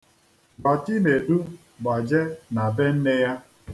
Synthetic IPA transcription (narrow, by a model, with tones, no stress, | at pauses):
ɡ͡ba˨t͡ʃi˦ne˨du˦ | ɡ͡ba˨d͡ʒe˦na˨be˦n̩˦ne˦ja˦